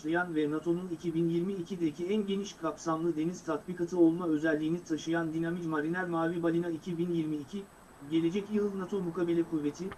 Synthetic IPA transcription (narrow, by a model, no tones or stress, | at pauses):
lˠajanvɛnat̪ʰo̞nunicʰibinjiɾmiːcʰid̪eicʰiænɟe̞niʃkʰapsamlˠɯd̪e̞niz̥t̪ʰat̪bikʰat̪ʰɯo̞lˠmaø̞zɛlʲːiːnit̪ʰaʃɯjand̪inamid͡ʒmaɾinæɾmaːvibalʲinaicʰibinjiɾmicʰi | ɟe̞lʲe̞d͡ʒɛcjɯlˠnat̪ʰomukʰabe̞lʲɛkʰuvːe̞t̪ʰiɪ